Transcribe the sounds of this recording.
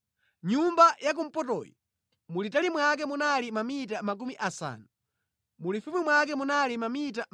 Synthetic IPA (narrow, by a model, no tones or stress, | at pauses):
ɲumbajak̬um̩pɔtɔ̰ːjɔ̰ | mulitalimwak̬ɛmunalimamitamak̬umiʔasa̰ːnu | mulifumimwakɛmunalimamita